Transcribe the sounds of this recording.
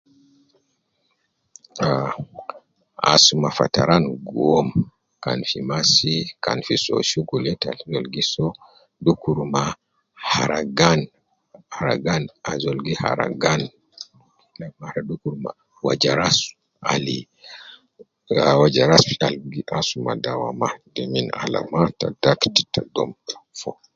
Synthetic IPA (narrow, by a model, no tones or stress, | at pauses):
a | a̰sumafa̰taɾanɡɔm | kanfimasikanfisɔ̰ʃuɡulɛta̰lzɔlɡisɔ | dukuɾma | haɾaɡan | haɾa̰ɡanazolɡiha̰ɾa̰ɡan | lamaɾadukuɾma̰ | wad͡ʒaɾasu̥ | ʔa̰li | wad͡ʒaɾasfialɡiʔasumadawamadɛminala̰matadaktitadɔmfɔ